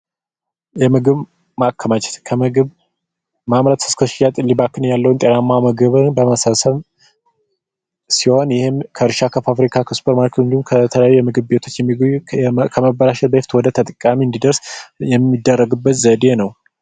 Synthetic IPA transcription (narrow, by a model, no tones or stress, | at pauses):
jɛmɨɡɨβ | makʰːəmat͡ʃɛ̥t̪kʰəmɨɡɨβ | mamɾat̪ɨ̥skʰəʃjat̪ʼlːibakɨnjalːəwunt̪ʼenamːaməɡɨβɨnbəməsasəm | siho̞njɪhɪmkʰəɾʃakʰəfafɾikʰakʰəsu̥pʰəɾmaɾkʰɨnd̪umkʰət̪ʰələjajːujɛmɨɡɨβbe̞t̪ʰo̞t͡ʃːjɛmːi | kʰəməbəlaʃɛt̪̚bəhɪft̪wɔd̪ət̪ʰət̪ʼɨkʼamiɨnd̪id̪əɾsjɛmːid̪ːərːəɡɨbːət̪zəd̪enəw